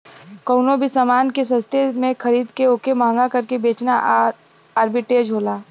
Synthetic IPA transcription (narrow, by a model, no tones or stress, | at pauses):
kəːnobʱisaːmaːnkes̬ɐ̃st̪ʰemẽkʰɐɾiːd̪keoːkemãːŋɡakɐɾkebeːt͡ʃna | aːɾbɪʈeːd͡ʒɦoːlaː